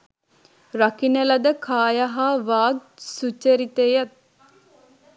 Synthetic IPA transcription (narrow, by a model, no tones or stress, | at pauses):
rakinəlad̪əkʰaːjaɦaːʋaːɡ̚sut͡ʃəɾit̪ejat̪̚